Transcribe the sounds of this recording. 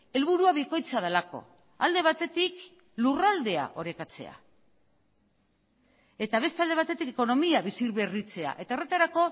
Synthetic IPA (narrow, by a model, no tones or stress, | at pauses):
e̞lβuɾuaβiko̞jt͡sað̞elako̞̰ | ald̪e̞β̞at̪e̞t̪ik | lurald̪e̞a̰ʔo̞ɾe̞kat͡se̞̰a̰ | e̞t̪aβ̞e̞st̪ald̪e̞β̞at̪e̞t̪ikeko̞no̞miaβisiɾβe̞rit͡se̞a̰ʔe̞t̪aeret̪aɾako̞